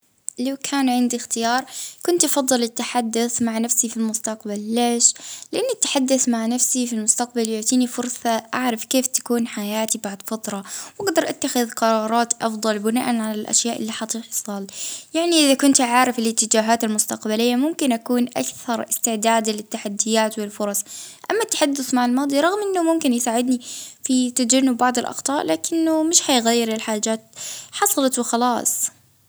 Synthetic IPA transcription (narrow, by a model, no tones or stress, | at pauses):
lawkʰaːnʕɪnd̪ixt̪ɪjɑːɾˤkʊnt̪ʔɑfɑðˤːɨlɪt̪ːaħad̪ːʊθmaʕnafsifilmʊst̪aqbalːeːʃlɪʔanːat̪ːḁħad̪ːʊθmaʕnafsifilmʊst̪aqbaljʊʕt̪ˤiːnifʊɾˤsˤɑʔaʕɾˤɑfkeːft̪ḁkuːnħajaːt̪ibaʕd̪ˤfɑt̪ɾˤɑwʔaɡd̪ɑɾˤʔat̪ːaxɪðqɑɾˤɑːɾˤɑːt̪ʔɑfd̪ˤɑlbɪna̰ːʔanʕalalʔa̰ʃjaːʔɪlːiħɑt̪ˤiːħsˤɑljaʕniʔɪðakʊnt̪ʕaːɾˤɪfɪlɪt̪ːɪd͡ʒaːɦaːt̪almʊst̪aqbalɪjːamʊmkɪnʔakuːnʔa̰kθɑɾˤɪst̪ɪʕd̪aːd̪lɪt̪ːaħad̪ːɪjaːt̪wɪlfʊɾˤɑsˤʔamːat̪ːḁħad̪ːʊθmaʕalmɑːd̪ˤiɾˤɑɣmʔɪnːʊmʊmkɪnjsaːʕɪd̪nifit̪ad͡ʒanːʊbːɑʕd̪ˤɪlʔɑ̰xt̪ˤɑːʔlaːkɪnːʊmɪʃħajɣajːɪɾɪlħaːd͡ʒaːt̪̚ħɑsˤɑlɑt̪wɪxɑlɑːsˤ